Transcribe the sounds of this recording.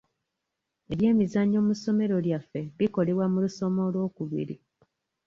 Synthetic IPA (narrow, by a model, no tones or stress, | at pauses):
e̞βje̞ːmizaɲo̞ːmuso̞me̞ɾo̞ljafːe̞βiko̞le̞βwamuluso̞mo̞lwo̞ːkuβḭɾi